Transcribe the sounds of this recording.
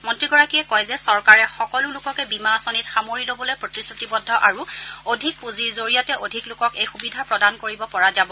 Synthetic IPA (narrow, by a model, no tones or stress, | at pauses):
mɔntɹiɡɔɹakiɛkɔjzɛsɔɹkaɹɛxɔkɔlʊlʊkɔkɛbimasɔnitxamoɹilobɔlojpɹotisɹutibɔdʱːɔʔaɹuodʱik̚puziɹzoɹijatɛʔodʱiklʊkɔkejxubidʱapɹɔdankoɹibɔpɔɹazabɔ